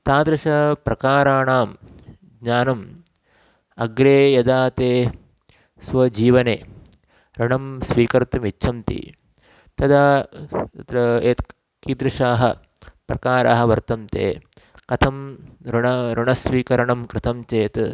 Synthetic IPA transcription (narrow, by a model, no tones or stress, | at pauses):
t̪aːd̪ɾɐʂɐpɾɐkaːɾaːɳaːm | ɡɲaːnɐm | ɐɡɾeːjɐd̪aːt̪eː | sʋɐd͡ʒiːʋɐneː | ɾɐɳɐmsʋiːkɐɾt̪ɐmitːʃʰɐmt̪ḭ | t̪ɐd̪aː | t̪ɾɐeːt̪ | kiːd̪ɾɪʂaːɦɐ | pɾɐkaːɾa̰ːɦɐʋɐɾt̪ɐmt̪ḛː | kɐt̪ʰɐmɾɳɐɾɪɳɐsʋiːkɐɾɐɳɐmkɾɪt̪ɐmt͡ʃeːt̪